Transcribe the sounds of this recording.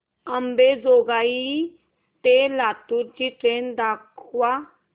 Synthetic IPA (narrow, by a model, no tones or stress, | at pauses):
əmbezoːɡaːi | t̪elaːt̪uɾd͡ʒiʈɾeːnd̪aːkʰwa